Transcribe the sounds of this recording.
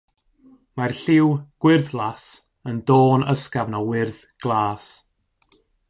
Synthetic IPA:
marɬɪwɡ̥wɪrðlˠas | əndoːnəskavnɔwɪrðɡ̥lˠaːs

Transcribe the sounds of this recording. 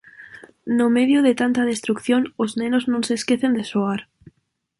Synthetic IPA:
nomeðjoðet̪ant̪aðest̪ɾukθjonoznẽnoznõnseskeθend̪esoaɾ

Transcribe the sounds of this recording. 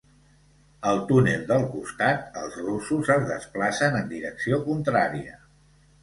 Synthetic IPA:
əlˠt̪unelˠd̪əlˠkust̪at̪əlˠzrusuzəzðəsplasənənd̪iɾəksiokunt̪ɾaɾiə

